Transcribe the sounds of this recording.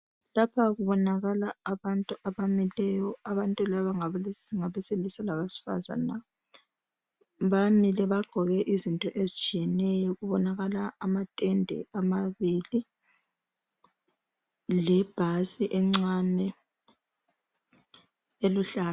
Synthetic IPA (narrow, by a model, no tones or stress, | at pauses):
lapʰaɣuβɔnaɣalaːβantʼuʔaβamilɛjɔaβantʼulaβaŋaβalŋaβɛselisalaβasi̥fa̰za̰na | βamilɛβaɡ͡ǃʱɔɣɛʔizintʼɔʔezit͡ʃʼijɛnɛjɔɣuβɔnaɣalaːmatʼɛndʱɛ̰amaβili | lɛb̥ʱasiʔɛŋ͡ǀanɛ | eluɬaːnu